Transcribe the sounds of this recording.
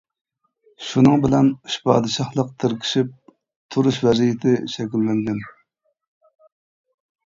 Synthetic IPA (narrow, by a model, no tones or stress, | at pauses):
ʃunɨŋbɪlɛnuʃpʰɑ̰ːd̪ɨʃɑχlˠəq̚t̪ʰɪɾkʲʰi̥ʃip̚ | t̪ʰuɾuʃvɛzijɪt̪ʰɪʃɛkʲilːɪnd̪ɪm